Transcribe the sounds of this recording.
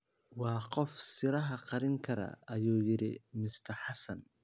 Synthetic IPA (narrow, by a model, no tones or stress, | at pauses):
wɑːqɔfsɪɾɐɦɐqɑɾɪŋkʰɐɾɐ̰ɐjuːjɪɾɪ̰mɪst̪ʰɐħɑsɐn